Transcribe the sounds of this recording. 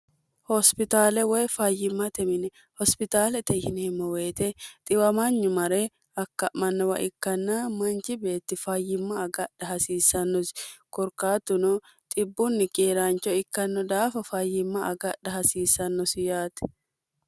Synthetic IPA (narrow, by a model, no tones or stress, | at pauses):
hɔspɪt̪aːlɛwɛːfaːjɪmːɐt̪ɛmɪnɛ | hɔspɪt̪aːlɛt̪ɛhɪnɛmːɔweːt̪ɛt̪ʼɪwɐmɐɲːʊmɐɾeː | ɐkːɐʔmɐnːɔwɐ̰ʔɪkːɐnːaːmɐnt͡ʃɪbe̞ːt̪ːɪfaːjɪmːaːɡɐᶑɐɦɐsiːsɐnːɔskɔɾkaːt̪ːʊnɔ | t̪ʼɪbːʊnːɪkʼeːɾaːnt͡ʃɔɪkːɐnːɔd̪aːfɐfaːjːɪmːɐʔɐɡɐɗɐhɐsiːsːɐnːɔsɪjaːt̪ɛ̥